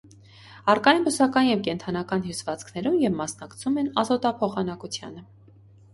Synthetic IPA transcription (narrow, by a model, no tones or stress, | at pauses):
ɑrkɑjinbəsɑkɑnjɛvkɛnt̪ʰɑnɑkɑnɦjusvɑt͡skʰnɛɾumjɛvmɑsnɑkt͡sʰumɛnɑzɔt̪ɑpʰɔχɑnɑkut͡sʰjɑ̰nə